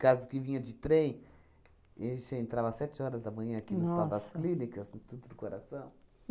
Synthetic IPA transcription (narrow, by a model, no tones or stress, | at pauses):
kazʊd̪ʊkɪvĩɲɐd͡ʒɪt̪ɾẽj̃ | eʃeẽnt̪ɾavɐsɛt͡ʃɪɔɾɐzd̪ɐmɐ̃ɲɐ̃akinʊsawd̪ɐsklĩnikɐsnʊst̪ud̪ʊd̪ʊkoɾasɐ̃w̃